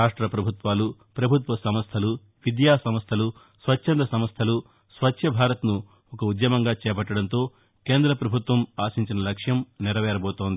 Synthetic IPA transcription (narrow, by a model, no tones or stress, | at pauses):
aːʂʈɾɐpɾɐbʱut̪ʋaːlupɾɐbʱut̪ʋɐsɐmɐst̪ʰɐlu | ʋid̪jaːsɐmɐst̪ʰɐlu | sʋɐtːʃʰɐnd̪ɐsɐmɐst̪ʰɐlu | sʋɐt͡ʃːʃʰɐbʱaːɾɐt̪nu | ɔkɐud̪jɐmɐŋɡaːt͡ʃɛːp̬ɐʈːɐɽɐnt̪o̞ː | ke̞ːnd̪ɾɐpɾɐbʱut̪ʋɐmaːsiɲt͡ʃinɐlɐkʂjɐmniɾɐʋɛːɾɐboːt̪oːnd̪ii